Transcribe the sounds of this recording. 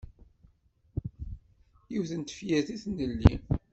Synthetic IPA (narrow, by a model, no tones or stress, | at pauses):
jiwθənt̪ə̥fjæɾθiθnəlːḭn